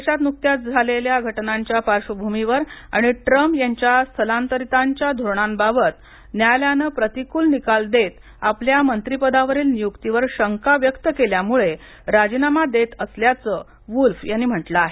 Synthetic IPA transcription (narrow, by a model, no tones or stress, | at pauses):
eɕat̪muk̚t̪jat̪̚d͡zʱaleljaɡʱəʈnaɲt͡ɕjapaɾɕəbʱumiʋəɾa̰ɽ̃iʈɾəmpjaɲt͡ɕjast̪ʰəlãnt̪əɾit̪aɲt͡ɕjad̪ʱoɾɳambabət̪ | njajljanəpɾət̪ikuːlnikald̪et̪ | apljamənt̪ɾipəd̪aʋəɾiːlnijukt̪iʋəɾɕəŋkaʋjəkt̪əkeljamuɭe | ɾad͡ʑinamad̪et̪əsljat͡sə | ʋulfjanːim̤əʈlaaɦe